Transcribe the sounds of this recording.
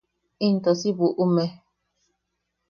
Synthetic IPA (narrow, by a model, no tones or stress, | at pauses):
ĩnt̪osiβuʔumẽ